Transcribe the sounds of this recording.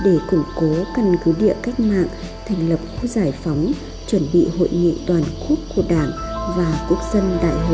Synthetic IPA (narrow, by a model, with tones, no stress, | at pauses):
ɗe˧˩kʊ˧˩ŋ͡mko˨˦kə˧nkɨ˨˦ɗḭ˧˨əka˦˥jk̟̚ma̰ː˧˨ŋ | t̪ʰɛ˨˩jŋ̟lə˨˩p̚xu˧˦zaː˧˩jfa˨˦wŋ͡m | t͡ɕwə˧˩nɓḭ˧˨ho̰˧˨jŋḭ˧˨t̪waː˨˩nku˦˥ək̚kːu˧˩əɗaː˧˩ŋvaː˨˩ku˦˥ək̚zə˧nɗa̰ː˧˨j